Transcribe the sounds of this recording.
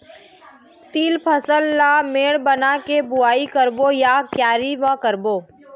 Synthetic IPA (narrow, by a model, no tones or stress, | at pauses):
t̪iːlpʰəsəlːameːɽbənakebʊaːikəɾbojakjaːɾimãkəɾboː